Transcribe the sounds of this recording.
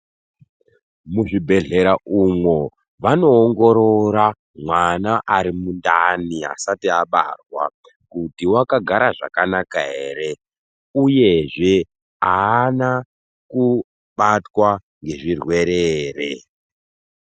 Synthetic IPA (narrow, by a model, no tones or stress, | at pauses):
muʐibʱe̞ɮe̞ɾaʔumwo | ʋano̞ːŋɡo̞ɾo̞ɾa | mwanaʔaɾimundania̰satiaɓa̰rwa̰ | kutiwakaɡʱaɾaʐa̰kanakaɦḛːɾe̞ | uje̞ʐe̞ | aːna | ku | ɓatwa | ŋɡe̞ʐirwe̞ɾeːrḛ